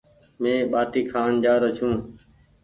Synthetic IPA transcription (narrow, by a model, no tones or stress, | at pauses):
mẽːɓaːʈ̪iːkʰaːnd͡ʒaːɾət͡ʃʰũː